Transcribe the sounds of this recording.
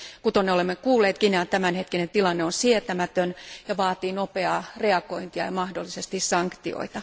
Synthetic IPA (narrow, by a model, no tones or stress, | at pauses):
kut̪onːeolemːekuːlːeːt̪kinɑt̪æmænhet̪̚kinent̪ilɑnːeonsiet̪æmæt̪ønjɑʋɑːt̪iːnopeɑːreɑkoint̪iɑ̰jɑmɑhdolːisest̪issɑŋkt̪io̰it̪ɑ